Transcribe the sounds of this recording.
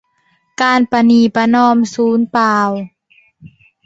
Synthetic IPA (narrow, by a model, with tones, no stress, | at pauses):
kaː˧npa˧niː˧˩pa˧nɔː˧˨msuː˨˩˦npaː˧w